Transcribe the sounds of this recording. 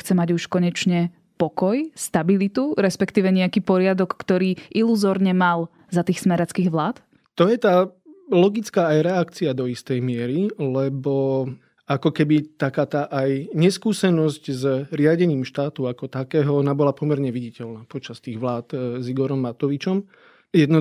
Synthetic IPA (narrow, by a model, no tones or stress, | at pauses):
xt͡sɛmaɟuʃkɔɲɛt͡ʃɲɛ | pɔkɔjst̪abilit̪uɾɛspɛkt̪iːʋɛɲɛakiːpɔɾɪad̪ɔkːt̪ɔɾiːʔiluzɔɾɲɛmal | zat̪iːxsmɛɾat͡skiːɣʋlaːt̪ | t̪ɔjɛt̪aːlɔɡit͡skaːjɾɛakt͡siad̪ɔist̪ɛjmɪɛɾilɛbɔ | akɔkɛbit̪akaːt̪aʔajɲɛskuːsɛnɔzɟzɾɪaɟɛɲiːmʃt̪aːt̪uakɔt̪akɛːɦɔnabɔlapɔmɛɾɲɛʋiɟicɛlnaːpɔt͡ʃast̪iːɣʋlaːt̪ziɡɔɾɔmːat̪ɔʋit͡ʃɔm | jɛd̪nɔ